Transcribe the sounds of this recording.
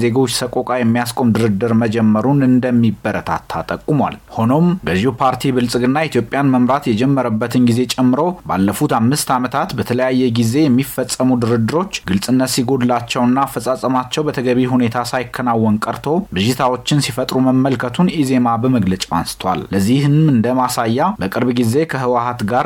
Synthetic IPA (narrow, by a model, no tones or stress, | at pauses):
ze̞ɡo̞t͡ʃːsəkʼo̞kʼajɛmːijaskʼo̞md̪ɨɾɨd̪ɨɾməd͡ʒɛmːəɾunɨnd̪əmːibːəɾət̪ʰa̰t̪ʰːat̪ʼəkʼːumwa̰lho̞no̞mɡəzːihupʰaɾt̪ʰibɨlsʼɨɡɨnːait̪ʰjo̞pʼːjanməmɾat̪jɛd͡ʒɛmːəɾəbːət̪ʰɨnɡize̞t͡ʃʼɛmːɨɾo̞ba̰lːəfut̪amːɨst̪amət̪ʰat̪bət̪ʰələjajːɛɡize̞jɛmːifːəsʼːəmud̪ɨɾɨd̪ɨɾo̞t͡ʃːɡɨlsʼɨnːət̪siɡo̞d̪lat͡ʃːɛwnːafəsʼasʼəmat͡ʃːɛwbət̪ʰəɡəβiɦune̞t̪ʰasajkʰːənawːɔnkʼəɾt̪ʰo̞bɨʒit̪ʰawo̞t͡ʃːɪnsifət̪ʼɾuməmːəlkʰət̪ʰunize̞mabəməɡlət͡ʃʼwa̰nsɨ̥t̪ʰwa̰lləzːihɨmɨnd̪əmasajːabəkʼɨɾbɡize̞kʰəhɨwahat̪ɡaɾ